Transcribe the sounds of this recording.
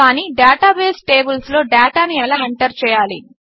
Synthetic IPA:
aːniːɖaːʈaːbeːsʈeːbulslo̞ːɖaːʈaːniɛlaːeɳʈɐɾt͡ʃɛːjaːli

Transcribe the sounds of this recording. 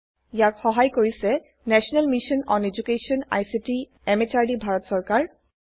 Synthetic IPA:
jakxɔɦajkoɹisɛ | nɛsɔnalmiʃɔnɔned͡ʒukeʃɔna̰jsiti | ɛmetaɹdibʱaɹɔtsɔɹkaɹ

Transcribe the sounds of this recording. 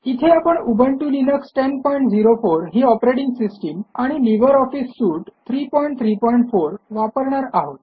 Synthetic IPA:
it̪ʰeapəɳubʱəɳʈulinəksʈenpɔjĩɳʈd͡ziɾofoɾɦiɔpɾeʈiŋɡsisʈəmaɽ̃iliʋəɾɔfisːuːʈt̪ʰɾiːpɔiɳʈ̚t̪ʰɾiːpɔiɳʈfoɾʋapəɾɳaɾaɦot̪

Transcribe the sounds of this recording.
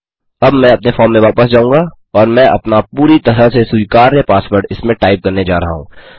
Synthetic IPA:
ɐbmɛ̃ɐpnefɔːɾmːẽʋaːpəsd͡ʒaːũːɡa | ɔːɾmɛ̃ːʔɐ̰pnapuːɾit̪ɐɾəsesujkaːɾnepaːsbəɾʈɪsmẽʈaːɪp̚kɐɾned͡ʒaːɾɐɦa̰ɦṵ̃ː

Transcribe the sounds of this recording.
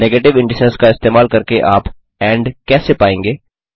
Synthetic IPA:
neːɡeːʈɪʋɪ̃ɳɖɪsəɾskaɪst̪eːmaːlkɐɾkeʔaːp | ɛ̃ːɳɖkɛːsepaːẽːŋɡeː

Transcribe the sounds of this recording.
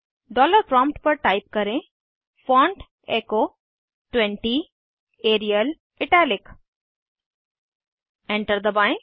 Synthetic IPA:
ɖɔːləɾpɾɔ̃ːmpʈpɐɾʈaːɪp̚kɐɾẽ | fɔ̃ːɳʈ | eːkoː | ʈwɛ̃ɳʈi | eːɾijəl | ɪʈɛːlɪk | ɛ̃ɳʈəɾd̪əbaɪ̃

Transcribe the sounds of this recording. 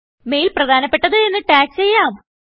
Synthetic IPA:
me̞ːjilprɐd̪ʱaːnɐpːe̞ʈːɐðɨenːɨʈaːkst͡ɕe̞jːaːm

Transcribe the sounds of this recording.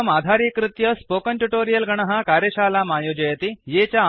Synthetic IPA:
mad̪ʱaɾikɾut̪jəspokəɳʈuʈoɾijəlɡəɳ̃əɦakaɾjəɕalamajod͡ʑəjət̪ijet͡ɕa

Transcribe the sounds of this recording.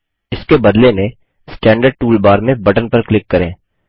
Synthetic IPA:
ɪskebɐd̪lenẽ | sʈɛ̃ːɳɖəɾɖ̚ʈuːlbaːɾmẽbɐʈənpɐɾklɪkːɐɾẽː

